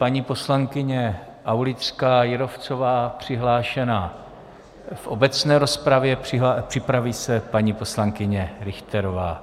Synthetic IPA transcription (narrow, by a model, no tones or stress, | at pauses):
paɲiːpo̞slaŋkɪɲɛ | ʔawlɪt̪rkaːjɪɾo̞ft͡so̞vaːpr̝̥ɪɦlaːʃɛnaː | fʔo̞bɛt͡snɛːɾo̞spɾavjɛpr̥ɪɦapr̥ɪpɾaviːsɛpaɲiːpo̞slaŋkɪɲɛɾɪxt̪ɛɾovaː